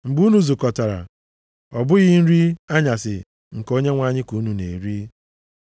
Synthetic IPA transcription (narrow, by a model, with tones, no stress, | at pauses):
ŋ͡m̩˨ɡ͡bu˦nu˦zu˨kɔ˨ta˨ɾa̰˨ | ɔ˨bʊ˦ɣɪ˦n̩˦ɾi˦a˦ɲa˨sɪ˨ | ŋ̩˨ko˦ɲe˦ŋʷa˦ɲɪ˦ku˨˦nu˨nḛ˨ɾi˦